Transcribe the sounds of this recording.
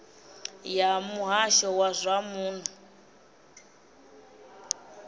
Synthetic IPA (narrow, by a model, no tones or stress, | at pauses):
jamuɦaʃɔwazʷamuːn̤u